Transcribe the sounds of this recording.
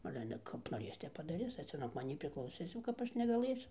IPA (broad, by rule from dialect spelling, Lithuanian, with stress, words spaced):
ˈɑːlʲɛ ˈɑːlʲɛ kɐp noːˈrʲeːs ˈtʲɛp pɐdɐˈrʲɪs ɐr ˈt͡sʲɛ nuɔk mɐˈnʲiː pʲrʲɪklˠɐʊˈsʲɪs jɛʊ kɐp ˈɐʃ nʲɛɡɐˈlˠɘsʲʊ